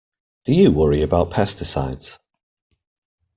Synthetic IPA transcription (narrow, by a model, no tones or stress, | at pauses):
d̥əjəwʌɹiəbaʊʔpʰɛstɪsa̰ɪdz̥